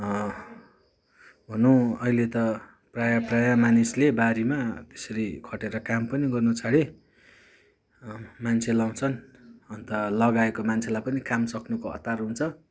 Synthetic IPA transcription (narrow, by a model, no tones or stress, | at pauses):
bʱʌnuʌilet̪ʌ | prajaprajamanislebaɾimat̪e̥sʌɾikʰʌʈeɾʌkampʌniɡʌrnut͡sʰaɽe | mant͡sʰelaw̃t͡sʰʌnʌnt̪ʌlʌɡaekomant͡sʰelajpʌnikamsʌknukoʌ̰t̪ːarɦunt͡sʰʌ